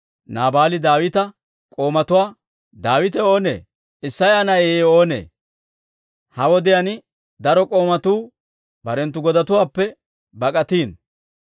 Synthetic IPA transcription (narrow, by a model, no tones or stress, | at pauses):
naːbaːlɪd̪aːwɪt̪ɐ | kʼo̞ːmɐt̪ʊwaː | d̪aːwɪt̪ɛoːnḛː | ɪsːɐjanɐeːo̞ːnḛː | hɐwɔd̪ɪjɐnɪ | d̪ɐɾɔkʼo̞ːmɐt̪uː | bɐɾɛnt̪ːʊɡɔd̪ɐt̪ʊwaːpːɛ | bɐkʼɐt̪iːn